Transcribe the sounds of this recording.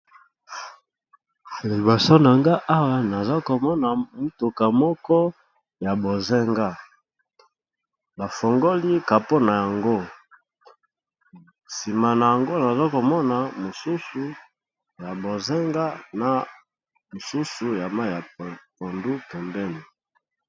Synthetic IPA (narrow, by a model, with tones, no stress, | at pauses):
li˨bɔ˨so˦na˨ŋɡa˦ʔa˦wa˨na˨za˦ko˨mɔ˦na˨mu˦to˨ka˨mɔ˦kɔ˦ | ja˨bo˨zɛ˦ŋɡa˦ | ba˨fɔ˨ŋɡo˦li˦ka˨po˦na˨ja˨ŋɡo˦ | si˨ma˨na˨ja˨ŋɡo˦na˨za˦ko˨mɔ˦na˨mo˨su˦su˨ | ja˨bo˨ze˦ŋɡa˦na˨ | mo˨su˦su˨ja˨ma˦˨ja˨po˨ndu˦pɛ˨mbɛ˦ni˨